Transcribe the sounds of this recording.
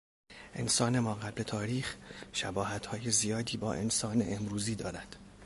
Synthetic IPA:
ʔe̞̰nsɒːne̞mɒːɣæble̞t̪ʰɒːɾiːxʃæbɒːhæt̪hɒːje̞zijɒːd̪iːbɒːʔe̞nsɒːne̞̰ʔemɾuːziːd̪ɒːɾæd̪̥

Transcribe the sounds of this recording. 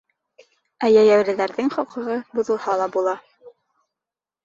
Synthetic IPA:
æjæjæwɾɘ̆ðæɾðɘŋχɑqɤ̆ʁɤbŭðɤ̆lˠhɑlˠɑbulˠɑ

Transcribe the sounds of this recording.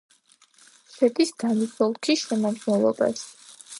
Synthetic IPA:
sɛd̪isd̪anipʰɔlˠkʰiʃɛmamʃnɛlˠɔ̰ba̰s

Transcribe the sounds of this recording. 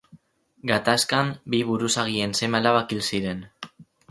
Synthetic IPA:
ɡat̪askambiβuɾusaɣie̞nse̞maelaβakilsiɾe̞n

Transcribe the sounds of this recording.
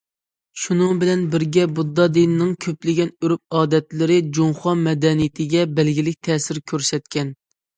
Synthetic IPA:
ʃunɨŋbɪlɛnbɪɾɡʲɛbud̪ːɑd̪inɪnɪŋkʲʰøplɪɡʲɛnyɾyp̚ɑːd̪ɛt̪lɪɾɪd͡ʒoŋχɑmɛd̪ɛnijit̪ʰɪɡʲɛbɛlɡʲilɪk̚ʲt̪ʰɛːsɪɾkʲʰøɾsɛt̪̚kʲɛn

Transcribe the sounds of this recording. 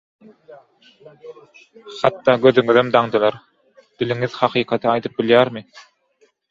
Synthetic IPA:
χɑt̪ːɑːɡø̞ðyŋyðømd̪ɑɴd̪ɯlˠɑɾ | d̪̥iliŋiðhɑqʰɯːqʰɑt̪ʰɯɑjd̪ɯp̚biljæːɾmɯ

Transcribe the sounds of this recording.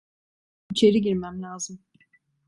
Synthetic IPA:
it͡ʃʰe̞ɾiɟiɾmæmlʲaːzɯm

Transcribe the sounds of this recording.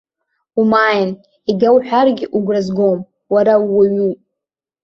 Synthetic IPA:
umajn | iɡʲawħʷᶣarɡʲɪʔuɡʷrazɡom | waɾawaɥu

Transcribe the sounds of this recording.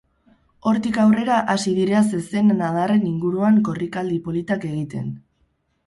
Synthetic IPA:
o̞ɾt̪ikawre̞ɾaʔasiðiɾeas̬ese̞nːað̞are̞niŋɡuɾuaŋko̞rikald̪ipo̞lit̪ake̞ɣit̪e̞̰n

